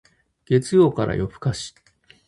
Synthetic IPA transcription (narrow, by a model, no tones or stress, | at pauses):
ɡ̥e̞t͡sɨjo̞ːkaɾa̰jʔo̞bɯ̟̥kaɕi̥